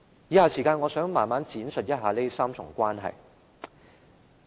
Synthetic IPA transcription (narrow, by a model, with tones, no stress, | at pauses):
jiː˨˧haː˨si˨˩kaː˧nŋɔː˨˧sœː˨˥ŋmaː˨˩nmaː˨˥nt͡siː˨˥nsɵ˨t̚jɐ˥t̚ɦaː˨˧le˥saː˥mt͡sʰʊ˨˩ŋkʷaː˥nɦɐ̰˨j